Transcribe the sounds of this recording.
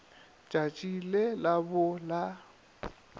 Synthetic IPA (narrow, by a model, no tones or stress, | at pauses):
t͡ʃʼat͡ʃʼilelabʊla